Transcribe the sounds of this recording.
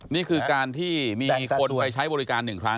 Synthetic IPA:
niː˥˩kʰɯː˧kaː˧nt̪ʰiː˥˩miː˧o˧t̪̚a˧jt͡ɕʰa˦˥jbɔː˧ɾi˦˥kaː˧nːɯ˨˩ŋkʰɾa˦˥

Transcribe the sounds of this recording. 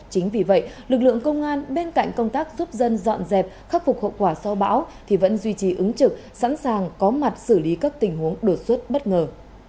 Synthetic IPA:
t͡ɕï˨˦ŋ̟vi˨˩və̰˧˨jlɨ˨˩k̚lɨ̰˧˨əŋkə˧wŋ͡mʔaː˧nɓe˧nka̰˧˨jŋ̟kə˧wŋ͡mt̪aː˦˥k̚zu˦˥p̚zə˧nzɔ̰˧˨nzɛ˨˩p̚xaː˦˥p̚fʊ˨˩k͡p̚ho̰˧˨wkwaː˧˩sɔ˧wɓa̰ː˧˥wt̪ʰi˨˩və̰˧˥nzwi˧t͡ɕi˨˩ʔɨ˨˦ŋt͡ɕɨ˨˩k̚sa̰˧˥nsaː˨˩ŋkɔ˨˦ma˨˩t̚sɨ˧˩li˨˦kaː˦˥k̚t̪ï˨˩ŋ̟hu˨˦əŋɗo˨˩t̚swə˦˥t̚ɓə˦˥t̚ŋəː˨˩

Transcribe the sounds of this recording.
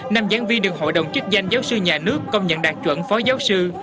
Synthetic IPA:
naː˧mzaː˨˦nvi˧nɗɨ˨˩əŋɦo̰˧˨jɗə˨˩wŋ͡mt͡ɕɨ˦˥k̚za˧jŋ̟zaː˨˦wsɨ˧ɲaː˨˩nɨ˦˥əkːə˧wŋ͡mɲə̰˧˨nɗaː˨˩k̚t͡ɕwə̰˧˩nfɔ˨˦zaː˨˦wsɨ˧

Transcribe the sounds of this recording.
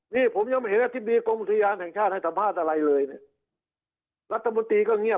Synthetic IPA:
niː˧˩pʰo˩˦mjɔa˧mɦe˨˦nʔa˧t̪ʰi˥p̚diː˧ko˧mʔu˨˩t̪ʰa˧jaː˧nhɛː˨˩ŋt͡ɕʰaː˥˩t̪̚ha˥˩sa˧˦mpʰaː˥˩t̪̚ʔa˧ɾa˧jlɤː˧jni˥˩ | ɾa˦˥t̪ʰːa˧mo˧nt̪ɾiː˧kɔː˥˩ŋi˥˩ə

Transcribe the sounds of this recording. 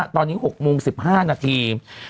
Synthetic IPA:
t̪ɔː˧nːiː˦˥ɦo˨˩k̚moː˧ŋsi˨˩p̚haː˥˩naː˧t̪ʰiː˧

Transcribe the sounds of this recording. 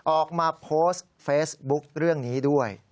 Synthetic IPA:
ʔɔː˨˩k̚maː˧pʰoː˦˥s | feː˦˥sbu˦˥k̚ɾɯ˥˩əŋniː˦˥du˥˩əj

